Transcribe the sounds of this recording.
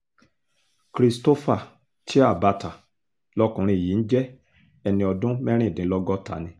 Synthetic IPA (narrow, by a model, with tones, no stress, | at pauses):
kɾi˧sto˦fa˦˨ | tʰi˦a˦˨ba˧ta˨ | lɔ˦kũ˧ɾ̃ĩ˧˨ji˨˦n̩˦d͡ʒɛ˦ | ɛ˧nĩ˧ɔ˧dũ˦mɛ̃˦ɾ̃ĩ˦˨dĩ˨˦lɔ˦ɡɔ˦ta̰˨˦nĩ˧